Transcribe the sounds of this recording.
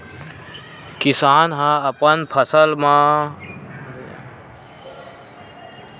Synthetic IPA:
kisaːnɦãɐpənpʰɐsəlmã | ɾa̰

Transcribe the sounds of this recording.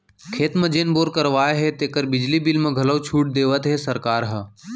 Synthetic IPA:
kʰeːt̪mə̃d͡ʒeːnboːɾkəɾʋaːeɦet̪eːkəɾbɪd͡ʒlibɪlmẽɡʱɐləwt͡ʃʰuːʈ̚d̪eːʋət̪ɦesəɾkaːɾɦə

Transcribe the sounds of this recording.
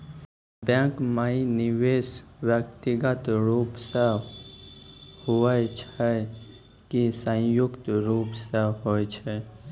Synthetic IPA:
bɛ̃ːkmainɪʋeːsʋjəkt̪iɡət̪ɾuːpse | huət͡ʃʰɛ | kisə̃jʊkt̪ɾuːpseɦoːjt͡ʃʰɛ

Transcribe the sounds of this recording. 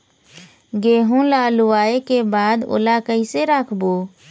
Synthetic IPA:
ɡeːɦũlaluʋaːekebaːd̪o̰lakəiseɾaːkʰboː

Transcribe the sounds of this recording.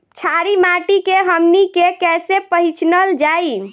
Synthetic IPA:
t͡ʃʰaɾimaʈikeɦəmnikekɛsepəɦĩt͡ʃnəld͡ʒai

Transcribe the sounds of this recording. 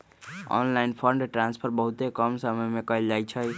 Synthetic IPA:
ɔ̰nlainpʰəɾɳɖʈɾanspʰəɾbəɦut̪ekəmsəməjmekəld͡ʒajt͡ʃʰəj

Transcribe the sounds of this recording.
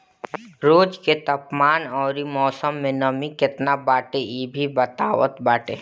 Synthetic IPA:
ɾoːd͡ʒket̪ɐpmaːnɔːɾimɔːsəmːẽnəmikɪt̪nabaːʈeiːbʱibət̪aːwə̰t̪baːʈe

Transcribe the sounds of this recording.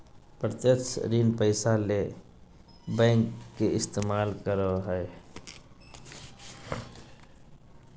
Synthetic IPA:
pɾət̪jəkt͡ʃʰɾiːnpəɪsale | bɛ̃ːŋkːeɪst̪eːmaːlkəɾoɦəe

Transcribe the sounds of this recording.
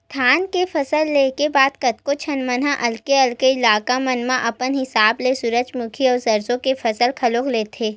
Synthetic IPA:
t̪ʰaːnkefʰɐsəlːeːkebaːd̪kɐt̪̚kot͡ʃʰɐnmənɦãʔɐlkeɐlkeɪlaːkamɐnmãʔɐpənɦɪsaːblesʊɾəd͡ʒmʊkʰiɔːɾzɐɾzõkefɐsəlkʰɐloːkleːt̪ʰeː

